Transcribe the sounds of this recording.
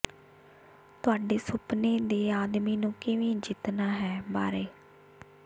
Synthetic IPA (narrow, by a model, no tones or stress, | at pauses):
t̪ʊaːɖeːsʊpneːd̪eːaːd̪miːnũːkɪʋĩːd͡ʒɪt̪naːɦɛːba̰ːɾeː